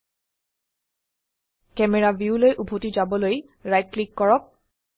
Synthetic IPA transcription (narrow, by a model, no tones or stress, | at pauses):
kɛmɛɹaviulojʔubʱotizabɔloj | ɹajt̚klikːɔɹɔk̚